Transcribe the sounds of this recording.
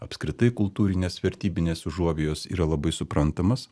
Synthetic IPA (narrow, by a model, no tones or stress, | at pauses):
ɐpʲskɾʲɪt̪ɐɪkʊlˠt̪uːɾʲɪnʲeːsʋʲɛɾʲt̪ʲiːbʲɪnʲeːsʒuɔʋʲeːjoːsḭːɾɐlˠɐbɐɪsʊpɾɐnt̪ɐmɐs